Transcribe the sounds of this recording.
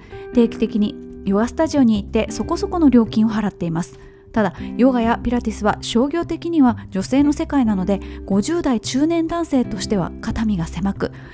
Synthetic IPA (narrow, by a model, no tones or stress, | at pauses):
t̪e̞ːkʲi̥t̪e̞kʲiɲ̟ijo̞ɡasɨ̥t̪aʑio̞ɲ̟iːt̪ːe̞so̞ko̞so̞ko̞noɾʲo̞ːkʲĩɰ̃o̞ɦaɾat̪ːe̞imasɨ̥ | t̪ad̪ajo̞ɡajapʲiɾat̪ʲisɨβaɕo̞ːɡʲo̞ːt̪e̞kʲiɲ̟iβad͡ʑo̞se̞ːno̞se̞kainano̞d̪e̞ɡ̥o̞ʑɨːd̪ait͡ɕɨːnẽ̞nd̪ãɰ̃se̞ːt̪o̞ɕi̥t̪e̞βa̰kat̪amʲiɡase̞makɯ̟